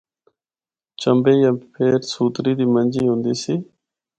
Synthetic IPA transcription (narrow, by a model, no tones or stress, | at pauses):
t͡ʃəmbeːjampʰeːɾsuːt̪ɾiːd̪iːmənʲd͡ʑiːɦũːnd̪iːsiː